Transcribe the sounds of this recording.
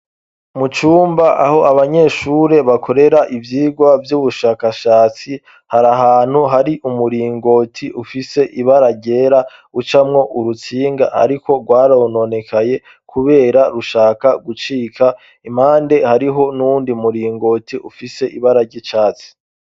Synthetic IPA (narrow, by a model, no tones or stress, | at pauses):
mut͡ʃuːmbaʔa̰ho̞aβaɲe̞ːʃuɾe̞βakʰo̞ɾe̞ɾaʔivjiːɡwavjuβuʃaːkaʃaːt͡si | haɾaɦaːn̥huɦaɾiʔumuɾiːŋɡo̞ːtʰiʔufise̞ʔiβaɾaɟe̞ːɾa | ut͡ʃamŋo̞ʔuɾut͡siːŋɡa̰a̰ɾiko̞ɡwaːɾouno̞ne̞kʰaje̞ | kʰuβe̞ːɾaɾuʃaːkaɡut͡ʃiːkʰa | im̥haːnde̞haɾiɦo̞nundiumuɾiːŋɡo̞ːtʰiʔufise̞ʔiβaɾaɟit͡ʃaːt͡si̥